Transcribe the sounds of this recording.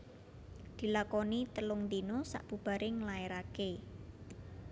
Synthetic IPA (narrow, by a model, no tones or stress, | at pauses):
d̪̥i̤lakɔnit̪əlʊŋd̪inosa̰ʔb̥ṳb̥a̤ɾʔɪŋəlaeɾake